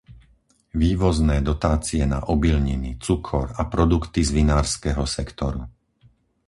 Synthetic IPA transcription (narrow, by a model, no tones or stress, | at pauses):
ʋiːʋɔznɛːd̪ɔt̪aːt͡siɛna̰ʔɔbilɲinit͡sukʰɔɾapɾɔd̪ukt̪izʋinaːɾskɛːɦɔsɛkt̪ɔɾṵ